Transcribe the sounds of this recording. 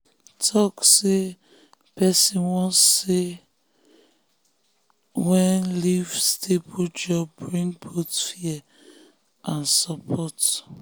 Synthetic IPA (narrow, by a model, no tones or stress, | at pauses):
tʰɔkse | pɛsĩnwɔ̃sːe | wɛ̃nlivstʰebod͡ʒɔbːɹĩŋbotfiɛ | ʔãnsapʰɔt